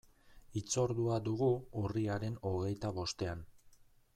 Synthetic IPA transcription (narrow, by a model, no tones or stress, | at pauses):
it͡so̞ɾðuad̪uɣuuriaɾe̞no̞ɣe̞jt̪aβo̞st̪e̞an